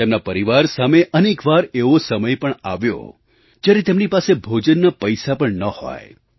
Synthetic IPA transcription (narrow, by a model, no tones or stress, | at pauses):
t̪emnapəɾiʋaɾsameʔənekʋaɾeʋosəməjpəɳaʋjo̰ | d͡ʒjaɾet̪emnipasebʱod͡ʒənːapəjsapəɳnəho̰j